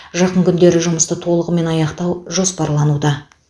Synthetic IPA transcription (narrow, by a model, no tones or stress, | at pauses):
ʒɑqəɴkʲʰʏnd̪e̞ɾɪʒʊməst̪ət̪ʰo̞lˠəʁəme̞nɑjɑqt̪ɑwʒo̞spɑɾlˠɑnud̪ɑ